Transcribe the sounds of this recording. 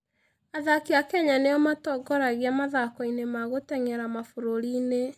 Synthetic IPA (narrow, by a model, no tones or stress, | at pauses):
aðakiakɛɲaneɔmatɔɡɔɾaɣeamaðakɔinemaɣotɛŋɛɾamafoɾoɾiːne